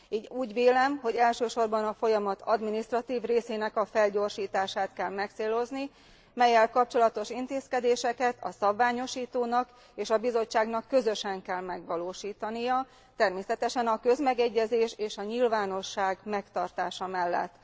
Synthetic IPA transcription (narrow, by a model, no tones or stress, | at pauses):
iːɟuːɟveːlɛmɦo̞ɟɛlʃøːʃo̞rbɒnɒfo̞jɒmɒt̪ɒd̪minist̪rɒt̪iːvreːseːnɛkɒfɛlɟo̞rʃiːt̪aːʃaːt̪kɛlmɛkt̪seːlo̞zni | mɛjːɛlkɒp̚t͡ʃo̞lɒt̪o̞ʃint̪eːskɛd̪eːʃɛkɛt̪ʰɒ̰sɒbvaːɲo̞ʃiːt̪oːnɒk | eːʃɒbizo̞t͡ʃːaːɡnɒkːø̞zø̞ʃɛŋkɛlmɛɡʋɒloːʃiːt̪ɒnijɒ | t̪ɛrmeːsɛt̪ɛʃɛnɒkø̞zmɛɡɛɟːɛzeːʃeːʃɒɲilvaːno̞ʃːaːɡmɛkt̪ɒrt̪aːʃɒmɛlːɛ̰t̪ː